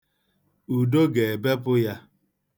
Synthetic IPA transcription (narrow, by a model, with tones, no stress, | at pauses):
u˨do˦ɡe˨e˨be˦pʊ˦ja˦